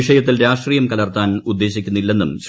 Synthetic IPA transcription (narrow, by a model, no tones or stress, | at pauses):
iʂɐjɐt̪ːilɾaːʂʈriːjɐmkɐlɐrt̪aːnud̪ːe̞ːɕikʲːunːilːe̞nːumɕ